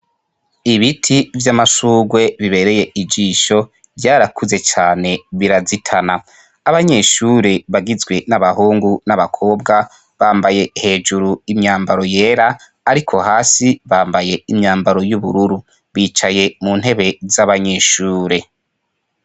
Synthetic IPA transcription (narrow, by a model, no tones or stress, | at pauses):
iβitʰivjamasuːɡwe̞βiβe̞ɾe̞je̞ʔid͡ʒiʃo̞ | vɟaːɾakʰuze̞t͡ʃaːne̞βiɾazitʰanaː | βaɲe̞ʃuːɾe̞βaɡizɡwe̞naβahuːŋɡunaβakʰo̞ːbɡa | βaːmbaje̞he̞ːd͡ʒuɾuimɲaːmbaɾo̞je̞ːɾaː | ɾikʰo̞haːsiβaːmbaje̞imɲaːmbaɾo̞juβuɾuɾu | βiːt͡ʃaje̞mun̥he̞βe̞zaβaɲe̞ʃuːɾe̞